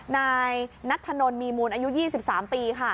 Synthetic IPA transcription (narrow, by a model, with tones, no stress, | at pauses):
naː˧jna˦˥t̪ʰːa˧no˧nmiː˧muː˧nʔaː˧ju˦˥jiː˥˩si˨˩p̚saː˩˦mpiː˧kʰa˥˩